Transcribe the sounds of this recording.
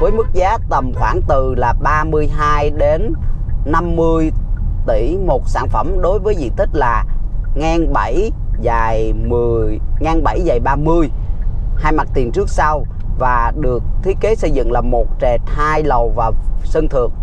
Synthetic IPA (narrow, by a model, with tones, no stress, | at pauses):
vəː˨˦jmɨ˦˥k̚zaː˨˦t̪ə˨˩mxwaː˧˩ŋt̪ɨ˨˩laː˨˩ɓaː˧mɨ˧əjɦaː˧jɗe˨˦nna˧mːɨ˧əjt̪i˧˩mo˨˩t̚sa̰ː˧˩nfə˧˩mɗo˨˦jvəː˨˦jzḭ˧˨t̪ʰï˦˥k̟̚laː˨˩ŋaː˧nɓə˧˩j | zaː˨˩jmɨ˨˩əjŋaː˧nɓa˧˩jzaː˨˩jɓaː˧mɨ˧əj | haː˧jma˨˩t̚t̪i˨˩nt͡ɕɨ˦˥k̚sa˧w | vaː˨˩ɗɨ˨˩ək̚t̪ʰi˨˦ke˨˦sə˧jzɨ̰˧˨ŋlaː˨˩mo˨˩t̚t͡ɕɛ˨˩t̚haː˧jlə˨˩wvaː˨˩wsə˧nt̪ʰɨ˨˩əŋ̚